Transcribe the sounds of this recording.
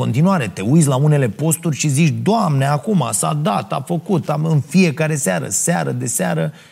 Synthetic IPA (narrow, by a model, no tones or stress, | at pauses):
o̞nt̪inuaɾe̞t̪e̞ujs̬ʲlaune̞le̞po̞st̪urʲʃizit͡ʃd̪oamneakuma̰sa̰d̪at̪afəkut̪aɨnfie̞kaɾe̞seaɾə̰seaɾəd̪e̞seaɾə